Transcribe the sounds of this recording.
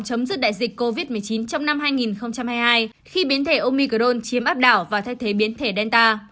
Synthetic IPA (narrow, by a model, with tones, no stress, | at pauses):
t͡ɕə˨˦mzɨ˦˧˥ɗa̰ː˧˨jzï˨˩k̟ko˧vi˦˥t̚mɨ˨˩əjt͡ɕi˨˦nt͡ɕɔ˧wŋ͡mna˧mɦaː˧jŋi˨˩nxə˧wŋ͡mt͡ɕa˧mhaː˧jhaː˧j | xi˧ɓi˨˦ənt̪ʰe˧˩ʔo˧mi˧kə˧˩ɗo˧nt͡ɕi˨˦əmʔaː˦˥p̚ɗaː˧˩wvaː˨˩t̪ʰa˧jt̪ʰe˨˦ɓi˨˦ənt̪ʰe˧˩ɗɛ˧nt̪aː˧